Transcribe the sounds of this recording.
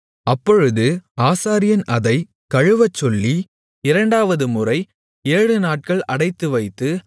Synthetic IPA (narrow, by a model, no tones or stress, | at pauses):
ɐpːɔɻɯðɯaːsaːɾɪjɐnʔɐðɐɪ | kɐɻɯʋɐt͡ʃːɔlːi | ɪɾɐɳɖaːʋɐðɯmʊrɐɪ | eːɻɯnaːʈ̚kɐɭɐɽɐɪt̪ːɯʋɐɪt̪ːɯ